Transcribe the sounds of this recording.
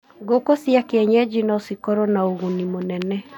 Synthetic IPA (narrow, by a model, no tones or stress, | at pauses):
ɡokosiakeɛɲɛd͡ʒinɔsikɔɾɔnaoɣonimonɛnɛ